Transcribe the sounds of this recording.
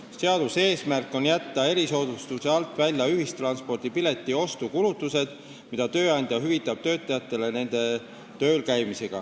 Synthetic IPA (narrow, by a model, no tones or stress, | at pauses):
se̞ɑd̪̥use̞ːsmærkˑːo̞njæt̪ːɑe̞ɾiso̞ːd̪ust̪use̞ɑlt̪ːˑvælʲjɑyɦist̪rɑnspo̞rd̪̥ipile̞t̪ˑːio̞st̪ukulut̪ːˑuse̞d̪̥ | mid̪̥ɑt̪ø̞ːɑnʲd̪̥jɑɦyvit̪ːˑɑb̥̚t̪ø̞ːt̪ːˑɑjɑt̪ːˑe̞le̞ne̞nd̪̥e̞ | t̪ø̞ːlkæjmise̞ɡ̥ɑ̰